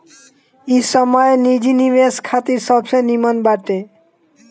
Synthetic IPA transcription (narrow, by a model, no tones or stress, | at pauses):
isɔmɔenid͡ʑinibeskʰat̪iɾsɔbsɔjnimɔnbaʈe